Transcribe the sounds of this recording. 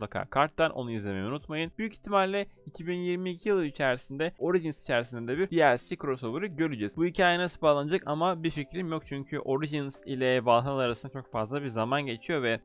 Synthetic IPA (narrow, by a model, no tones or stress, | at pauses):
akʰa̰ːkʰaɾt̪ʰːanʔo̞̰nuizlʲe̞mejiunut̪majɯnbyjyci̥ht̪ʰːimalʲːɛicʰibinjiɾmiːcʰijɯlˠɯit͡ʃʰæɾisind̪ɛo̞ɾiʒinsi̥t͡ʃʰæɾisind̪ɛd̪ɛbiɾd̥̪ijæɾsikɾo̞solˠuɾɯɟølʲyd͡ʒɛzbuɦicʰaːjenasɯbaːlˠanɯd͡ʒakamabiɾfecɾimjo̞k̚t͡ʃʰyɲcʰyʔo̞ɾid͡ʒinsilʲɛvalˠɦanalˠaɾasɯnd̪at͡ʃʰo̞kfazlˠabiɾzamanɟe̞t͡ʃʰijo̞vɛ